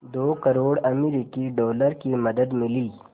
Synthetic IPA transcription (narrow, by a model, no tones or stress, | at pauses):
d̪oːkɐɾoːɽɐmiɾikiɖɔːləɾkimɐd̪əd̪mɪliː